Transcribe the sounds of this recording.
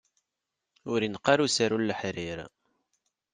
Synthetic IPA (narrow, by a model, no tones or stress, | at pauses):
ʊɾinqːaɾusəɾulːəħɾiɾ